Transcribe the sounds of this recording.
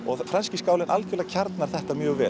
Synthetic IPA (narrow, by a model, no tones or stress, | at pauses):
ɔɣfɾansciskaːwlɪnʔalcʏlacʰaɾt̪naɾ̥θɛht̪amjœːɣvɛː